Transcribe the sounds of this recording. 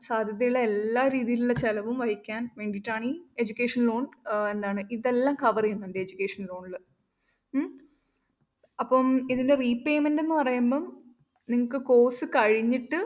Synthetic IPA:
saːd̪ʱjɐðɐjuɭːɐelːaːɾiːðijiluɭːɐt͡ɕelɐʋumʋɐɦikʲːaːnʋe̞ːɳɖiʈːaːɳie̞d͡ʑukʲːe̞ːʂɐnlo̞ːɳe̞nd̪aːɳɨʔiðe̞lːaːmkɐʋɐrijunːɐndeed͡ʑukʲːe̞ːʂɐnlo̞ːɳulɨ | ɐpːɐmiðinde̞riːpe̞ːmende̞nːɨpɐrɐjumbɐːm | niŋːɐkːɨko̞ːsɨkɐɻiɲːiʈːɨ

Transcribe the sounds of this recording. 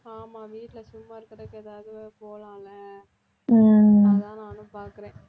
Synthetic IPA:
aːmaːʋiːʈːɪlɐsʊmːaːɪɾɯkːɾɐðkːɛðaːʋɐðɯpoːlaːlɐ | t̪ãːnaːnʊ̃paːɾkɯɾẽː

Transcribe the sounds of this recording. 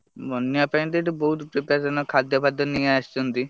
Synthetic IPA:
bɔnjapaĩd̪eʈibɔɦut̪pɾipɾad͡ʒɔnɔkʰad̪jɔbʱad̪jɔnijaast͡ʃʰɔnt̪i

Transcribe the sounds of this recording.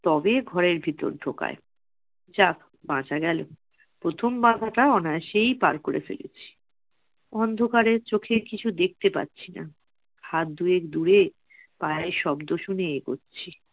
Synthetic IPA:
t̪ɔbeɡʱɔɾeɾbʱit̪o̰ɾɖʱoka̰e | d͡ʑak | bãt͡ɕaɡɛlo | pɾot̪ʰombãɡʱaʈaɔnaʃejpaɾkoɾḛfḛlḛt͡ɕʰi̥ | ɔnd̪ʱokaɾeɾt͡ɕokʰeɾkit͡ɕʰud̪ek̚t̪epa̰tːɕʰina̰ | hat̪̚d̪uekd̪uɾe | pajeʃɔbd̪oʃuneeɡo̰tːɕʰi

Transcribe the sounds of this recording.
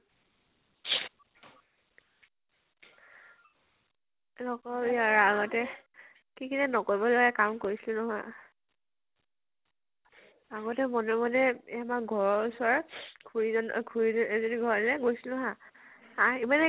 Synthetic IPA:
lɔkɔbiaɹaɡɔtɛ | kikʰinɛnɔkɔbɔlɔɡɛkamkoɹisilʊ̃nɔɦɔj | aɡɔtɛmɔnɔmɔdɛɛmaɡʱɔɹɔusɔɹɡʰuɹizɔn̰ɡʰuɹizɛzodiɡʱɔɹɔdlɛɡojsilʊ̃ɦã | aimanɛ

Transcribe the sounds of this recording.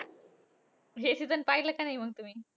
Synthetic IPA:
ɦesit̪ənpailəkanajməɡ̚t̪um̤iː

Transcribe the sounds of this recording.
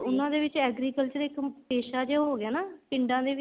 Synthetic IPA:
ʊnãːd̪eːʋɪt͡ʃɛːɡɾiːkəlt͡ʃd̪eɪkpeːʃaːd͡ʒeːɦoːɡɪaːnaːpɪ̃ɳɖãːd̪eːʋɪ

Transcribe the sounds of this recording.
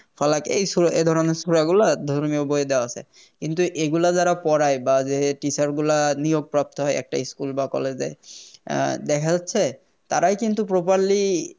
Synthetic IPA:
fʰalakejsued̪ʱɔɹɔnɔsuɹaɡulad̪ʱoɹmioboed̪ɛwaasɛ̰ | kint̪uʔeɡulazaɾapɔɹajbazeʈisaɹɡulanijoɡ̚pɹap̚t̪ɔɦɔjɛ̰k̚ʈa̰iskulbakɔ̰lɛzɛ̰ | d̪ɛkʰazatːsʰɛ | t̪aɾajkint̪upɹopaɹli

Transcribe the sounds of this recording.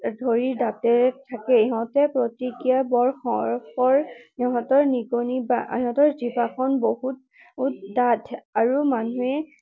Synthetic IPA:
dʱoɹiɹdatɛtʰːakɛɦɔ̃tɛpɹotikijabɔɹxɔ̰ɹxɔɹɛɦɔtɔɹniɡonibaɦɔ̃tɔɹzibaxʰɔnbohut̚ | utdadaɹumanuɛ

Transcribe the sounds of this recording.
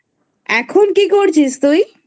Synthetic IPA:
ɛkʰonkikoɾt͡ɕʰist̪uj

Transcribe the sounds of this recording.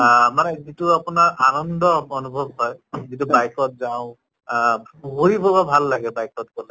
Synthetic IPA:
manɛzituapunaɹʔanɔndɔɔnubʱɔbɦɔjzit̬ubajkɔt̚zaʊ̃ | ɦoɹibɔbabʱalːaɡɛbajkɔt̚kɔlɛ

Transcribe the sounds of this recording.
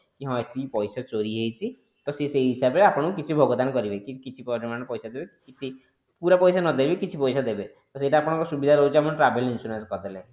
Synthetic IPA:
kiɦɔ̃et̪ipɔjsat͡ʃoɾiɦejt͡ʃʰi | t̪ɔseseɦisabeapɔɽ̃ɔk̬it͡ʃʰibʱɔɡɔd̪anɔkɔɾibekikit͡ʃʰipɔd͡ʒɔmanɔpɔjsad̪ebekit͡ʃʰi | puɾapɔjsanɔd̪ebekit͡ʃʰipɔjsad̪ebet̪ɔseʈaːpɔɽ̃ɔ̃ŋkɔsubid̪ʱaɾɔɦut͡ʃʰiamɔnʈɾabelinsuɾanskɔd̪ale

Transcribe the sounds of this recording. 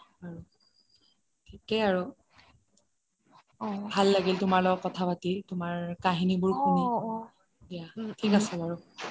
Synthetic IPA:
aɹu | tʰikɛaɹu | bʱalːaɡiltʊmaɹlɔɔkːɔtʰapatitʊmaɹkaɦinibʊɹkuni | dijatʰikasɛbaɹu

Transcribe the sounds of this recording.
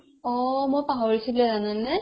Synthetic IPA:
ɔmojpaɦɔɹisiblɛzanannɛ

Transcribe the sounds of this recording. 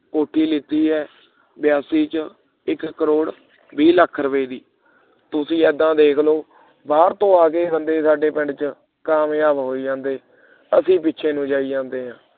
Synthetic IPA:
koːʈʰːiːlɪt̪ːiːɦɛː | bjaːsiːt͡ʃ | ɪkːəɾoːɽ | biːləkʰːɾəʋeːd̪iː | t̪ʊsĩːɛːd̪ãːd̪eːkʰloː | baːɾt̪õːaːkeːbənd̪eːsaːɖeːpɪ̃ɳɖt͡ʃə | kaːmjaːbɦoːiːd͡ʒãːnd̪eː | əsĩːpɪːʃʰeːnũːd͡ʒaːiːd͡ʒãːnd̪eːɦãː

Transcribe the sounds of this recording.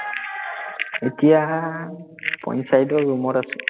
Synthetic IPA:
etija | pɔ̰nsajdɔɹumɔtasɛ̥

